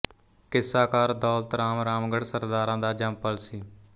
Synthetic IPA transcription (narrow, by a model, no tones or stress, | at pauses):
kɪsːaːkaːɾd̪oːlt̪ɾaːmɾaːmɡəɽsəɾd̪aːɾãːd̪aːd͡ʒəmpəlsiː